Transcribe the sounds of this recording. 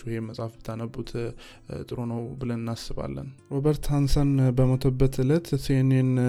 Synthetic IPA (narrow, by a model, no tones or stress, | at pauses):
uheməsʼafbət̪ʰanəbut̪ʰ | t̪ʼɨɾonəwbɨlənɨnːasːɨβa̰lːə̰nɾobəɾt̪hansənbəmət̪ʰəbːət̪ʰɨlət̪senen